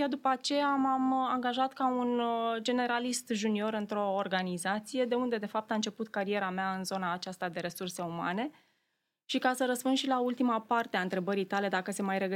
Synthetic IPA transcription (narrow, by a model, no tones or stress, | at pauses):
jad̪upəat͡ʃe̞amamaŋɡaʒat̪kaund͡ʒe̞ne̞ɾalist̪ʒunio̞ɾɨnt̪ɾo̞ːrɡanizat̪sije̞d̪e̞und̪e̞d̪e̞fap̚t̪aɨnt͡ʃe̞put̪kaɾie̞ɾameaɨnzo̞naːt͡ʃast̪ad̪e̞ɾe̞surse̞uma̰ne̞ | ʃikasəɾəspund̪ʃilault̪imapart̪eaɨnt̪ɾe̞bəɾijt̪ale̞d̪akəse̞majɾe̞ɡə